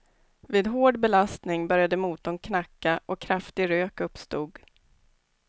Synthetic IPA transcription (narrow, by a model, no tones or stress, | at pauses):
viːd̪ɦoːɖbɛlast̪nɪŋbœɾjad̪əmuːt̪ɔŋkʰnakːaʔɔkʰːɾaft̪ɪɡɾøːkɵpst̪uːɡ